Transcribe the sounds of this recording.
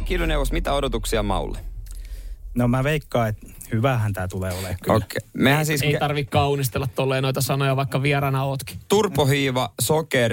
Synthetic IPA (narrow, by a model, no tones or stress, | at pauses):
kiluneuʋost̪mit̪æodot̪uksiɑmɑ̰ṵlːe | nomæʋeikːɑːet̪ | hyʋæhænt̪æːt̪uleːolekkːo̰kemehænsiːseeit̪ɑrʋikkɑunist̪elːɑt̪t̪olːeːnoit̪ɑsɑnojɑʋɑikːɑʋiɛɾɑnɑoːt̪ki̥t̪urpohiːʋɑsoker